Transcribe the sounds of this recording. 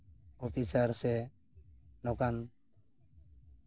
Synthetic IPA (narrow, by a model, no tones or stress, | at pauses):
opisəɾse | nokan